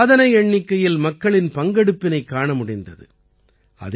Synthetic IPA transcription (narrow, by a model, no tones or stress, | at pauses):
ðɐnɐjɛɳːɪkːɐjɪlmɐkːɐɭɪnpɐŋɡɐɽɯpːɪnɐɪkːaːɳɐmʊɽɪnd̪ɐ̰ðɯ̰ | ɐ̰ð